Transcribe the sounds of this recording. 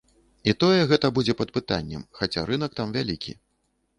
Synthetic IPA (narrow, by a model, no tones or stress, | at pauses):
it̪ɔjɛɣɛt̪ɐbud͡zʲɛpɐd̪̚pɨt̪a̰nʲːɛ̰mxat͡sʲaɾɨn̪ɐk̚t̪amvʲalʲikʲʰḭ